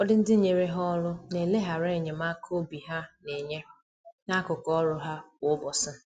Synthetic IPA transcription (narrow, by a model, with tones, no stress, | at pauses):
ɔ˦dɪ˦n̩˦dɪ˦ɲe˨ɾe˦ɦɔ˦lʊ˦ne˨le˦ɦa˨ɾe˦˨ɲe˨ma˦kʰo˦bi˨ɦa˦ne˨ɲe˦ | na˦kʊ˨kɔ˦ɾʊ˦ɦa˦wʊ˦bɔ˨sɪ˦